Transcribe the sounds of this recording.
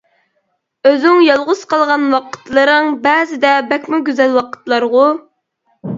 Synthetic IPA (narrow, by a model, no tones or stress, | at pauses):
øzɪŋjɑlˠʁʊz̥qɑlˠʁɑnwɑqʰə̥t̪lˠɨɾɨŋbɛːzɪd̪ɛbɛkʲmʊɡʲyzɛlwɑqʰə̥t̪lˠɑɾʁʊ